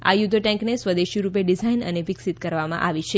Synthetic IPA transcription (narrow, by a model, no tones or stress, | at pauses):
a̰jud̪əʈɛ̃ŋknesʋəd̪eʃiɾupeɖizainə̰neʋiksit̪kəɾʋamã̰ʔaʋit͡ʃʰe